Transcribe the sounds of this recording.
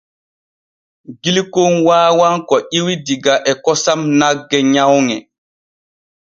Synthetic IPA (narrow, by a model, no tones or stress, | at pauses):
ɡilikonwaːwaŋkɔʔiwidiɡaʔɛkɔsamnaɡːɛɲawŋɛ